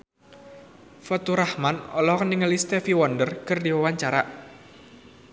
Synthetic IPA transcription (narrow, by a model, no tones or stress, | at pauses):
fɔt̪uɾahmanɔlɔkəniŋəlist̪ɛfiwɔndərkərdiwawaɲt͡ʃaɾaʔ